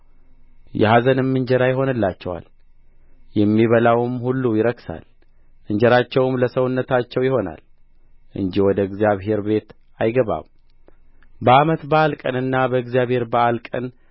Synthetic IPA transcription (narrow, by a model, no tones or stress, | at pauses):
jɛ̰hazənɨmːɨɲd͡ʒɛɾajɪɦo̞nɨlːat͡ʃːɛwa̰l | jɛmːiβəlawɨmhulːujɪɾəksa̰l | ʔɨɲd͡ʒɛɾat͡ʃːɛwɨmləsəwʊnːət̪at͡ʃːɛwjɪho̞na̰l | ʔɨ̰ɲd͡ʒiwɔd̪əɨɡzijaβɦe̞ɾbe̞t̪ | ajɡəβa̰m | bəamət̪bəalkʼənɨnːabəɨɡzjaβhe̞ɾbəʔalkʼən